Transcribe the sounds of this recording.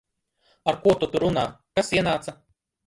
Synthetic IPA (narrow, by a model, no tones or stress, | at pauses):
aɾkuɔt̪ut̪uɾuna̰ːkasiɛnaːt̪sa